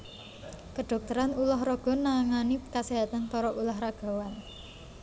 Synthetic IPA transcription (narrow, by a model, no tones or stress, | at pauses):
kəɖ̥ɔ̤k̚t̪əɾanulaɦrɔɡ̥ɔ̤nːaŋanikaseɦat̪ant̪ɔɾɔʔulaɦɾaɡ̥ɔ̤wan